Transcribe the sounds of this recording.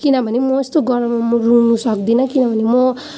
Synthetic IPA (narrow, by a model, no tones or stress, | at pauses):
kinʌbʱʌnemʌest̪oɡʌɾʌmamorunusʌk̚d̪inʌkinʌbʱʌnemʌ